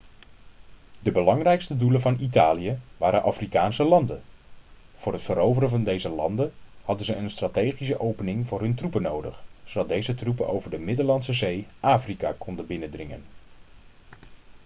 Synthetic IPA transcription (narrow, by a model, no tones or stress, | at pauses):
dəbəlɑŋrɛjkstəduləvɑnitaːlijəʋaːɾənʔafrikaːnsəlɑndən | v̥ʊːrɦətfəɾowvərənvɑndejzəlɑ̰ndənhɑdənzəənstraːtejχis̬əʔowpənɪŋvʊːrɦɵntrupənowdə̰χsodɑt̚dejzətrupəno̰wvəɹdəmɪdəlɑnsəzejʔaːfrika̰kɔndəbɪnədrɪŋə̰n